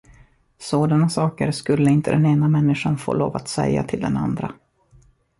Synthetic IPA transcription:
soːd̪anasɑːkəɾskɵlːəɪnt̪əd̪ɛneːnamɛnːɪʂanfo̰ːloːva̰t̪sɛjːa̰t̪ʰɪld̪ɛnand̪ɾa

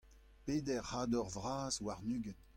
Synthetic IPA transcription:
peːdɛʁhaːdɔʁvʁaːzwaʁnyːɡən

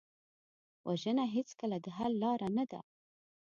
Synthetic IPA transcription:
wʔaʒənaɦet͡skəlad̪əɦalːɑɾanad̪a̰

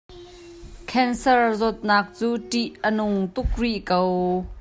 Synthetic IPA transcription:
kʰɛnsɐrzɔt̪̚naːk̚t͡suːtiʔənʊŋt̪uk̚riʔkow

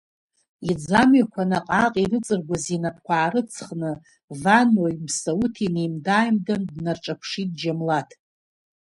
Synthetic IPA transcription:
id͡zamɥakʷʰanaqʼaqʼirɨt͡sʼɨrɡʷazinapʰkʷʰaːɾɨt͡sʰχnɨ | vanoimsautʰinejmdaːjmdandnarʈ͡ʂʼapʷʰʂit̚ʼd͡ʒamlatʰ

